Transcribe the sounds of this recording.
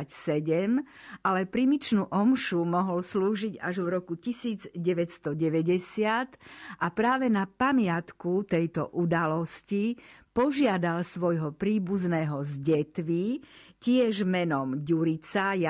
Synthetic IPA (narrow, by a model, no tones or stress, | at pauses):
sɛɟɛm | ʔalɛpɾimit͡ʃnuʔɔmʃumɔɦɔlsluːʒiɟaʒʋɾɔkucisiːd͡zɟɛʋɛcst̪ɔɟɛʋɛɟɛsɪat̪ʔapɾaːʋɛnapamɪat̪kut̪ɛjt̪ɔ̰ʔud̪alɔscipɔʒɪad̪alsʋɔjɦɔpɾiːbuznɛːɦɔzɟɛt̪ʋicɪɛʒmɛnɔmɟuɾit͡saj